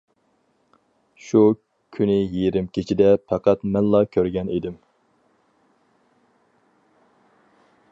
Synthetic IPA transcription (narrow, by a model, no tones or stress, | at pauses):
ʃu | kʲʰynɪjiɾɪmkʲʰit͡ʃʰid̪ɛpʰɑqʰɑt̪mɛnlɑkʲʰøɾɡʲɛnid̪ɪm